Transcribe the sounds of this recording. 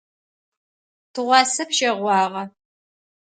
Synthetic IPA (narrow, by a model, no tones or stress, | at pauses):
tʰɨʁʷɑːsɐpʃɐʁʷɑːʁɐ